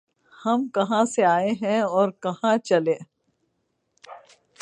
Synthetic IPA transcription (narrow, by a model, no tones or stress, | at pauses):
hɐmkɐɦãseaːeɦɛ̃ɔːɾkɐɦãt͡ʃɐlẽː